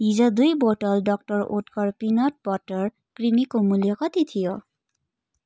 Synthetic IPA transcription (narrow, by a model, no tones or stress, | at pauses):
izad̪ujbɔtɔldɔk̚tɔɹo̰tkɔɹpinɔt̚bɔtɔɹ | kɹimikomuliɔkɔt̪it̪ʰijɔ